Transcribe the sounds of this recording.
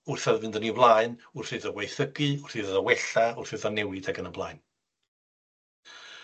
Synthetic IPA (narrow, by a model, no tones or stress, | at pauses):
ʊrθɛðvɨndənivlˠaɨnʊrθɨðəwejθəɡɨʊr̥θɨːððəwɛɬaʊr̥θɨðanɛwɨdaɡənəblˠaɨn